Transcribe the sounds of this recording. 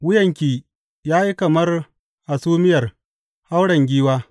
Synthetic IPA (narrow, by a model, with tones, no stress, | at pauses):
wʊ˦jɐ˨ŋkʲiː˨ | jaː˦ji˦kɐ˨mɐ˦r | ʔa˨suː˦mɪ˦jɐ˨r | ha˦wɽɐ˨ŋɡʲiː˦waː˦